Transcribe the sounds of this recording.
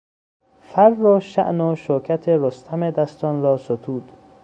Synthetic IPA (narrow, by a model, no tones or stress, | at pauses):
fæɾːoʃæ̰ʔnoʃokʰæt̪ʰeɾost̪ʰæmed̪æst̪ɒːnɾɒːsot̪ʰuːd̪̥